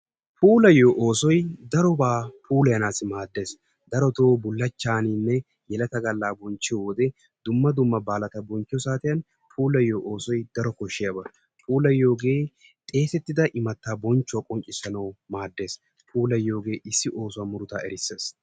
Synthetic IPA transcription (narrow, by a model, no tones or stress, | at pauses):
puːlɐjoːʔoːsɔjd̪ɐɾɔbaːpʰuːlɐjɐnaːsɪmaːd̪ːe̞ːs | d̪ɐɾɔt̪oːbʊlːɐt͡ʃːaːninːɛ | jɛlɐt̪ɐɡɐlːaːbɔnt͡ʃːɪjɔd̪ɛ | d̪ʊmːɐd̪ʊmːɐbaːlɐt̪ɐbɔnt͡ʃːɪjɔsaːt̪ɪjɐn | pʰuːlɐjːoːʔoːsɔjd̪̥ɐɾɔkɔʃːɪjɐbɐ | pʰuːlɐjːo̞ːɡe̞ː | t̪ʼe̞ːsɛt̪ːɪd̪ɐʔɪmɐt̪ːaːbɔnt͡ʃːʊwɐkʼɔnt͡ʃʼɪsːɐnɐwmaːd̪ːe̞ːs | pʰuːlɐjːo̞ːɡe̞ːʔɪsːɪʔo̞ːsʊwɐːmʊɾʊt̪aːɛɾɪsːeːs